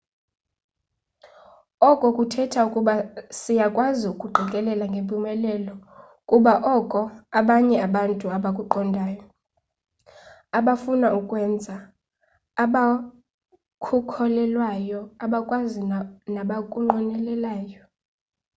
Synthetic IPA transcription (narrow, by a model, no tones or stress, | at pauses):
ɔkʼɔkʼutʰɛtʰaukʼuɓasijakʼwaziukʼuɡ͡ǃʱikʼɛlɛlaŋɡʱempʼumɛlɛlɔ | kʼuɓaʔɔkʼɔaɓaɲɛaɓantʼuaɓakʼuǃʰɔndʱaːjɔ | aɓafunaukʼwɛnd͡zʱaː | ɓa | kʰukʰɔlɛlwajɔaɓakʼwazinaɓakʼuŋ͡ǃɔnɛlɛlaːjɔ